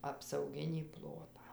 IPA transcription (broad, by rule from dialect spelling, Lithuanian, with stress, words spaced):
ɐpsɐʊˈɡʲɪnʲiː ˈplˠoːtɑː